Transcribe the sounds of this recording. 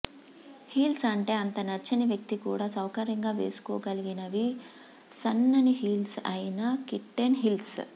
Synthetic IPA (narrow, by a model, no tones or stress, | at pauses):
hiːlsɐɳʈe̞ːɐnt̪ɐnɐt͡ʃːɐniʋjɐk̚t̪ikuːɽaːsɐwkɐɾjɐŋɡaːʋe̞̰ːsu̥kɔ̰ːɡɐliɡinɐʋi | sɐnːɐniɦiːlsɐjinɐkiʈːenɦils